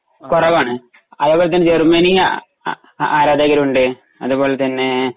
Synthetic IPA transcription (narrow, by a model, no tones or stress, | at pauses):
kurɐʋaːɳɨ | ɐðuboːɭet̪ɐnːed͡ʑermɐnijɐ | aːɾaːd̪ɐɣɐɾuɳɖɨ | ɐðubo̞ːɭlet̪ɐnːe̞